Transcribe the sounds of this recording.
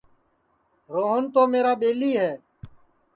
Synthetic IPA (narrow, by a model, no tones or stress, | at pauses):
ɾoːɦənt̪oːmeːɾaːɓeːliːɦɛː